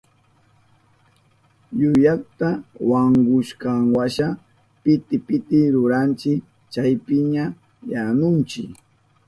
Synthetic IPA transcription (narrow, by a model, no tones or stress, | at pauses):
jʊjakt̪awaŋɡʊʃkaŋwaʃa | pɪt̪ɪpɪt̪ɪɾʊɾant͡ʃɪk | t͡ʃajpɪɲa | janʊnt͡ʃɪ̰k